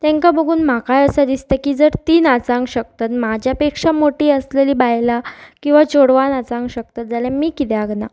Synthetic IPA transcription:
t̪ɛ̃ŋkabəɡuːnm̤akajəsad̪ist̪akiːd͡zəɾt̪iːnat͡sãŋɡɕək̚t̪at̪mad͡ʑʱjapekʂamoʈiːəsleliːbajlakĩw̃ʋat͡ɕoɽʋanat͡sãŋɡɕək̚t̪at̪̚d͡zaljãmiːkit̪ɛaɡna

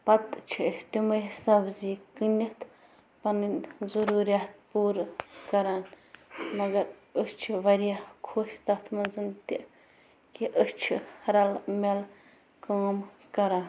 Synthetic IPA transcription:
pɐt̪t͡ʃʰiist̪imɐjsɐbziːkɨnʲɐt̪ʰ | pɐnɨnzɐɾuːɾijaːt̪̚puːɾkɐɾaːn | mɐɡɐɾəst͡ʃʰiʋɐɾijakʰoːʃʲt̪ɐt̪ʰmɐnzɨnt̪i | kiʔəst͡ʃʰḭɾɐlmel | koːmkɐɾaːn

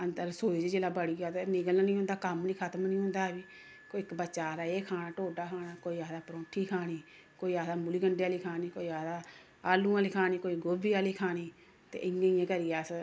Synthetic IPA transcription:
ənd̪əɾsoːiːd͡ʒiːd͡ʒeːlaːbəɽiːɡaːt̪enɪɡəlnaːnĩːɦʊ̃nd̪aːkəmnĩːkʰət̪mnĩːɦʊ̃nd̪aːɦɛbiː | koːɪkbəːʃaːɾaːeːkʰaːnaːʈoːɖaːkʰaːnaːkoːiːaːd̪aːpɾõːʈʰːiːkʰaːniː | koːiːaːd̪aːmuliːɡəɳɖejaːliːkʰaːniːkoːiːaːd̪aː | aːlũːãːliːkʰaːniːkoːiːɡobiːaːliːkʰaːniː | t̪ḛːʔɪjãːiːãːkəɾijaːs

